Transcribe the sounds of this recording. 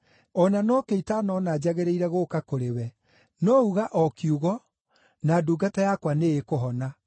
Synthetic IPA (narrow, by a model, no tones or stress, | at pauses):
ɔnanɔkeitanɔnad͡ʑaɣeɾeiɾɛɣokakoɾewɛ | nɔuɣaʔɔkjuɣɔ | naːduːɡatajakwaneekoɦɔna